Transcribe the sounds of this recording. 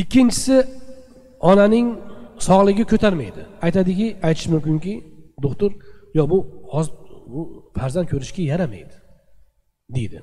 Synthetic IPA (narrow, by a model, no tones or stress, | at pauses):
ɪkʲʰːɪnt͡ʃʰɪ̥sɪ | ɒnanɪŋsɒʁlˠɪɡʲɪkʲʰɵt̪ʰaɾmajd̪ɪajt̪ʰad̪ɪkʲɪajt̪ʰɪ̥ʃmʊmkʲɪŋkʲɪd̪ʊχt̪ʊɾjɒbʊhɒzbʊfaɾzant̪̚kʰɵɾɪʃkʲajaɾama̰jd̪ɪ̥ | d̪ejd̪ɪ